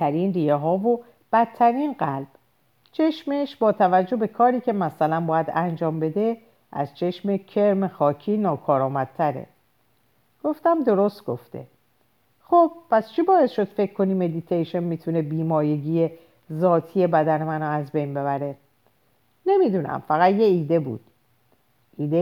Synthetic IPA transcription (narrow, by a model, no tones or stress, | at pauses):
æɾiːnrijeɦɒːvo | b̥æt̪ʰːæɾiːnɢælb̥ | t͡ʃʰe̞ʃmeʃbɒːt̪ʰævæd͡ʒːo̞be̞kʰɒːɾiːcʰe̞mæsælænbɒːjæd̪ænd͡ʒɒːmbe̞d̪e̞ | ʔæ̰z̥t͡ʃʰe̞ʃmecʰe̞ɾmexɒːcʰiːnɒːkʰɒːɾɒːmæd̪̥̚t̪ʰæɾḛ | ɡ̥o̞ft̪æmd̪o̞ɾost̪̚ɡ̥o̞ft̪e̞̰ | xob̥̚pʰæst͡ʃʰibɒːe̞sʃo̞d̪̥fe̞cʰkʰːo̞niːme̞d̪it̪ʰejʃenmiːt̪ʰune̞biːmɒːje̞ɟije | zɒːt̪ʰije̞bæd̪ænemænɔæzbe̞jnbe̞βæɾe̞ | ne̞mid̪uːnæ̰mfæɣæt̪jeiːd̪e̞bṵːd̪̥ | ʔiːd̪e